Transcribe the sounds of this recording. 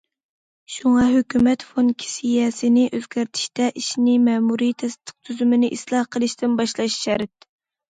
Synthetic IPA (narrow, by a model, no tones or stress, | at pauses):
ʃuŋɑɦøkʲymɛt̪fonkʲʰi̥sijɛsɪnɪʔøzɡʲæɾt̪ʰi̥ʃt̪ɛʔiʃnɪmɛːmuɾit̪ʰɛst̪ʰːə̥q̚t̪ʰyzymɪnɪʔislˠɑhqʰəlˠɨʃt̪ɪnbɑʃlˠɑʃʃɛɾɪt̪̚